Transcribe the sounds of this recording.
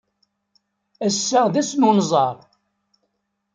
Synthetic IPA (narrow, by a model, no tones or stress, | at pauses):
æsːæðæsnunzˤɑɾˤ